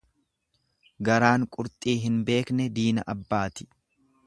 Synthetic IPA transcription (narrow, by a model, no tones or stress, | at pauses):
ɡɐɾaːŋkʼʊɾt̪ʼiːɦɪnbe̞ːknɛd̪iːnɐ̰ʔɐbːaːt̪ɪ̥